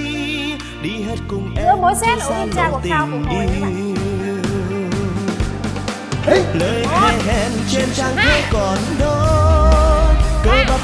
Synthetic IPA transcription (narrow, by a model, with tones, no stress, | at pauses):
ɗi˧˩ɦe˦˥t̚kʊ˨˩ŋ͡mʔɛ˧˨˦ɨ˧˦˧a˧za˧˩t̪i˨˧˩ŋ̟ɗi˧ | ləː˨˦jkɛ˧ʔɛ˧mt͡ɕe˧nt͡ɕa˧ŋt̪ʰə˧˦kɔ˨˩nɗo˧ | kə˧˦jɓa˧˩